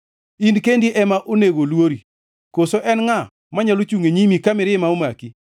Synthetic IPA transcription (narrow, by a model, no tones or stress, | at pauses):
indkendiʔɛmaʔoneɡolwoɾi | kosoʔɛnŋa | maɲalot͡ʃuŋeɲimikamɪɾɪmaomaki